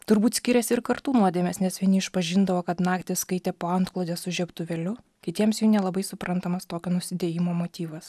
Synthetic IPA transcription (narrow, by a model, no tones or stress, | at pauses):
t̪ʊɾbuːt̪sʲkʲɪɾʲɛsʲɪɾkɐɾt̪uːnuɔd̪ʲeːmʲeːsnʲɛsʋʲɪnʲɪɪʃpɐʒʲɪnd̪ɐʋoːkɐt̪nɑːkt̪ʲɪsskɐɪt̪ʲeːpoːɐnt̪klˠoːd̪ʲeːssʊʒʲɛpt̪ʊʋʲɛlʲʊ | kʲɪt̪ʲiɛmsjuːnʲɛlˠɐbɐɪsʊpɾɐnt̪ɐmɐst̪oːkʲonʊsʲɪd̪ʲeːjɪmoːmoːt̪ʲiːʋɐs